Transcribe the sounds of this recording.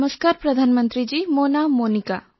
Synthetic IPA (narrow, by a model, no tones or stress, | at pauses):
məskaːɾpɾɐd̪ʱaːnmə̃nt̪ɾid͡ʒiːmoːnamoːnɪka̰ː